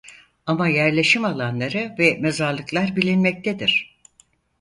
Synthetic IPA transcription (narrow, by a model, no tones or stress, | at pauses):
amajæɾlʲe̞ʃimalˠanlˠaɾɯvɛmezaɾlˠɯklˠaɾbilʲinmɛc̚t̪ʰed̪iɾ̝̥